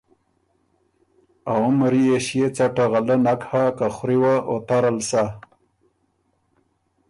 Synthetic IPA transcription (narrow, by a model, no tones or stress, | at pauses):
aʊmɾieʃjet͡saʈaɣalənakhakaxɾiwaʔot̪aɾalsa